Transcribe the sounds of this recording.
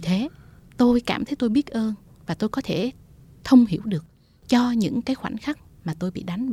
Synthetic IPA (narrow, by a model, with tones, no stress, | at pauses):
i˨˩t̪ʰe˨˦ | t̪o˧jkaː˧˩mt̪ʰə˨˦jt̪o˧jɓi˦˥ət̚ʔəː˧n | vaː˨˩t̪o˧jkɔ˨˦t̪ʰe˧˩ | t̪ʰə˧wŋ͡mhi˧˩əwɗɨ˨˩ək̚ | t͡ɕɔ˧ɲɨ̰˧˥ŋkaː˨˦jxwa̰˧˩nxa˦˥k̚ | maː˨˩t̪o˧jɓḭ˧˨ɗa˨˦ŋ̟